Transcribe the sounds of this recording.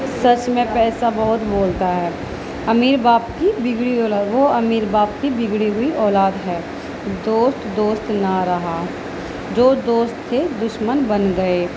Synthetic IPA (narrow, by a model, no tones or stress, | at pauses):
sɐt͡ʃmẽpɛːsabɔɦʊt̪boːlt̪aɦɛː | ɐmiːɾbaːbkibɪɡɽiɔːlaːʋoɐmiːɾbaːb̚kibɪɡɽiɦʊiʔɔːlaːd̪ɦɛː | d̪oːst̪d̪oːst̪naɾɐɦa | d͡ʒoːd̪oːst̪ʰːed̪ʊʃmənbɐnɡɐeː